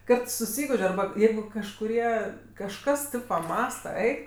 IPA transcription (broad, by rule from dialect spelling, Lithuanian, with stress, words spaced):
ˈkɐt sʊˈsʲiːɡʊʃʲ ɐrˈbɐ ˈjɛɪɡʊ kɐʃkʊˈrʲiɛ kɐʃˈkɐs tɜ pɐˈmɑːstɐ ˈɛɪk